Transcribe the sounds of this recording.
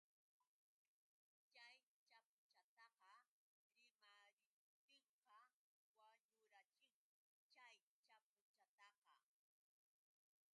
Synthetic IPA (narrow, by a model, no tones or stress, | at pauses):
t͡ʃaj | t͡ʃapʊt͡ʃat̪ɑqɑ | ɾɪmaɾɪ | t̪ɪɴqɑ | waɲʊɾat͡ʃɪχ | t͡ʃaj | t͡ʃap̚ʊt͡ʃat̪ɑqɑ